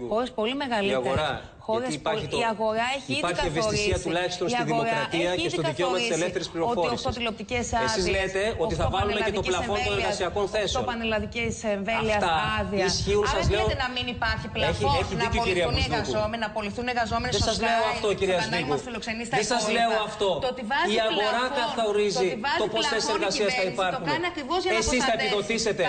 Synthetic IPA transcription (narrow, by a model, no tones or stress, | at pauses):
xo̞ɾespo̞lime̞ɣɐliiɐɣeoɾɐ | xoɾeipɐɾçit̪ɐɣo̞ɾɐeçipɐɾçievesisiɐt̪ulɐçi̥st̪o̞nstɐðiomoɾkɾɐt̪iɐest̪t̪oðiceomɐselefθeɾispliɾotfo̞ioisiotst̪ilo̞p̚t̪icesɐesizlet̪e̞o̞t̪iθɐvɐlumeect̪oblɐfo̞noneɾɣɐsiɐkonθe̞sopɐnelɐðiciseɱvelfiɐst̪ɐɐðiisçiunsɐzleunɐminipɐɾçipleçeçinit̪iiɾiɐizomnɐpoliθuneɾɣɐzomenðesɐzleoɐft̪ociɾiɐzmiɣufiloksenisðesɐzle̞oɐft̪o̞t̪ot̪ivɐziɐɣo̞ɾɐkɐθɐoɾizivoposessseɾɣɐsiɐsθɐippɐɾxunnɐkɾivozʝɐesist̪ɐepiðo̞t̪ise̞t̪e̞